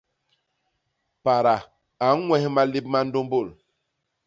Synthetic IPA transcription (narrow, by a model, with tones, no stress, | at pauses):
pa˨ɾa˨ | a˨˦n˦ŋwɛ˦hma˦li˦p̚ma˦n̩do˦mbo˦˨l